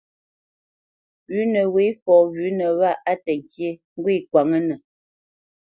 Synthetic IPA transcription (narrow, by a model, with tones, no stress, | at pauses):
wʉ˨˦nə˨we˨˦fɔː˨ɣʉ˨˦nə˨wa˦˨ʔa˦tə˨ŋ˨kje˦ŋ˦ɡwe˦˨kwa˨ŋə˦nə˨